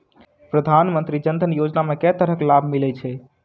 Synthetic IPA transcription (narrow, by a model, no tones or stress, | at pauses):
pɾəd̪ʱanmənt̪ɾid͡ʒənd̪ʱənjod͡ʒnamekɛt̪əɾəklabʱmilɛt͡ʃʰɛ